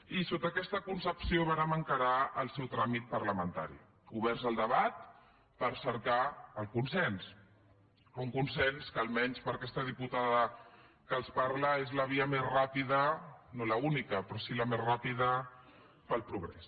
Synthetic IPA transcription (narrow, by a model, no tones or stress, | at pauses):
isot̪əkɛst̪əkunsəpsioβanəməŋkəɾaəlˠsɛwt̪ɾamit̪̚pəɾləmənt̪a̰ɾḭ | uβ̞ɛɾzəlˠd̪əβat̪̚ | pəɾsəɾkaəlˠkunsɛns | uŋkunsɛnskəːlˠmɛɲspəɾkɛst̪əð̞iput̪aðə | kəlˠspaɾləezləβiəmezrapiðənoləunikəpɾɔsiləmezrapiðə | pəlˠpɾuɣɾɛ̰s